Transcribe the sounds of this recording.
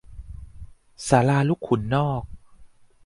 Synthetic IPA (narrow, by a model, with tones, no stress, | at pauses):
saː˩˦laː˧lu˦˥kʰːu˨˩˦nːɔː˥˩k̚